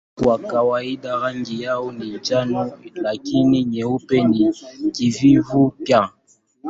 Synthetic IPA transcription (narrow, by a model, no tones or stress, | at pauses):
kwakawaidaɾaŋɡijaɔnint͡ʃanɔlakiniɲɛupɛnikivivupja